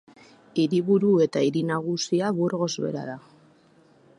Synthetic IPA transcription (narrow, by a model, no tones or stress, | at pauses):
iɾiβuɾue̞t̪aiɾinaɣ̞usiaβuɾɣo̞zβe̞̰ɾa̰ða